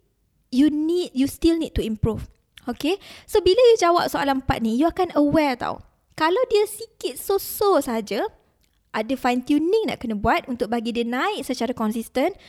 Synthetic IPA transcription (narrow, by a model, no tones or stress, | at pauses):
junid̚just̪ilnid̚t̪uĩmpɾuf | okesobilajud͡ʒawa̰p̚soalampa̰t̪̚nĩjuakanəwɛɹt̪a̰w | kalawdiəsikɪt̪̚sososəɦad͡ʒa | ʔadəfajnt̪junĩŋna̰ʔkənə̃buat̪̚unt̪ʊk̚baɡidiənãɪʔsət͡ʃaɾakɔnsist̪ən